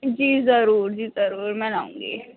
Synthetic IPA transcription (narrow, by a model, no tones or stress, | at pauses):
d͡ʒiːzɐɾuːɾd͡ʒiːzɐɾuːɾmɛ̃laːṵ̃ːŋɡeː